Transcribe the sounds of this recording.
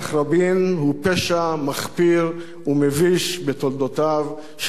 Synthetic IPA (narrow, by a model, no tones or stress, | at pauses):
χɾabinhupeʃamaχpiʁ | umeviʃbet̪old̪ot̪av | ʃ